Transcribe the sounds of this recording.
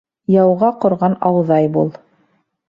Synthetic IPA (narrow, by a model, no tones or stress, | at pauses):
jɑwʁɑqŏɾʁɑnɑwðɑjbulˠ